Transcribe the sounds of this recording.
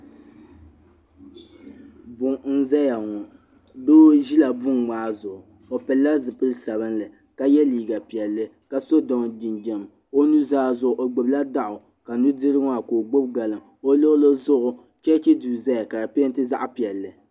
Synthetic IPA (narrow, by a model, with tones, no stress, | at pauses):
bʊ˨ŋ̩˦za˦ja˨ŋɔ˨ | doː˦ʒi˦la˨bʊ˦ŋmaː˦zʊ˨ʔʊ˨ | o˨pɛ˨lːa˦zɨ˨pɨ˦lɨ˦sa˨βɨ˦nlɨ˨ | ka˨jɛ˦liː˨ɡa˨pi˨ɛ˨lːɨ˦ | ka˨so˦dɔ˨ŋ˨di˨nd͡ʒɛ˨m | o˦nu˦zaː˦zʊ˨ʔʊ˨ʔo˨ɡ͡bʊ˨bla˦da˦ʔʊ˨ | ka˨nu˦dɨ˦ɾɨ˦ŋa˦˨koː˨ɡ͡bo˦b̚ɡa˨lɨ˨ŋ | o˦lo˦lo˦zʊ˦ʔʊ˦ | t͡ʃɛ˦t͡ʃɛ˦duː˨za˦ja˨ka˨ɾa˨pe˦n˦tɨ˦za˦ʔpi˨ɛ˨lːɨ˨